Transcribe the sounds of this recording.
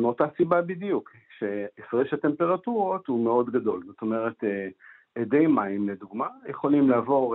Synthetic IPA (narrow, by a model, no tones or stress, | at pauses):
meo̞tasibabidjuk | ʃeefʁeʃat̪empe̞ʁatuʁot̪humeo̞d̪ɡado̞lzo̞t̪o̞me̞ʁete | edejmaimled̪uɡmajeχo̞limlaːvo̞ʁ